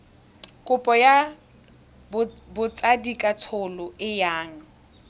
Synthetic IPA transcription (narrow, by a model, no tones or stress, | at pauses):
kʼʊpʼɔja | bbʊt͡sʼadikʼat͡sʰʊlʊɪjaːŋ̩